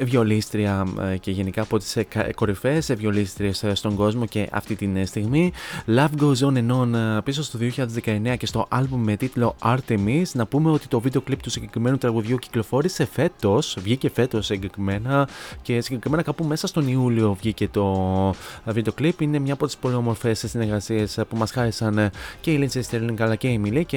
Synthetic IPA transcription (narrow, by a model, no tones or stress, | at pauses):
vʝo̞list̪ɾiɐce̞ʝe̞nikɐːpo̞t̪i̥sko̞ɾife̞sevʝo̞list̪ɾiesst̪o̞ŋɡo̞zmo̞ce̞ʔɐ̰ft̪it̪inst̪iɣmilɐvɡozone̞no̞npisost̪o̞ðioçiʎɐðe̞zðe̞kɐe̞neɐce̞st̪o̞ʔɐlbumːe̞t̪it̪lo̞ɐɾt̪emiznɐpume̞o̞t̪i̥t̪o̞vid̪eklip̚t̪usiɲɟe̞kɾime̞nut̪ɾɐɣuðʝuci̥klo̞fo̞ɾise̞fe̞t̪o̞svʝice̞fe̞t̪o̞seɲɟekɾime̞nɐce̞siɲɟekɾime̞nɐkɐpume̞sɐst̪o̞niulio̞vʝice̞t̪o̞ | vid̪e̞oklipine̞mɲɐːpo̞t̪ispo̞lio̞mo̞ɾfe̞ssine̞ɾɣɐsie̞spumɐsxɐɾesɐnceilinsest̪eɾliŋkɐlɐce̞imilice